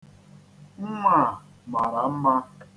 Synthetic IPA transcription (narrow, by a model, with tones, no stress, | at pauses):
ŋ̩˦ŋʷa˦˨ | ma˨ɾa˨m̩˦ma˦